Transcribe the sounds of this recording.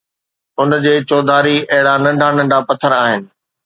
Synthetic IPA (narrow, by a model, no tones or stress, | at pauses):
ʊnd͡ʑeːt͡ɕɔːd̪ʱaːɾiɐɦɪɽanɐ̃ɳɖʱanɐ̃ɳɖʱapɐt̪ʰəɾaːɦɪnɪ̆